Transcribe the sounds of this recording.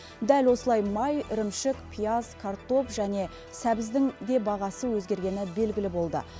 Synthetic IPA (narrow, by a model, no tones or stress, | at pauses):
d̪ælwo̞səlˠɑjmɑjɪɾɪmʃɪkpʰijazkʰart̪o̞pʒæne̞ | sæbɪzd̪ɪŋd̪e̞bɑʁɑsəwɵzɡʲe̞ɾɡʲe̞nɪbe̞lɡʲɪlɪbo̞lˠd̪ə̰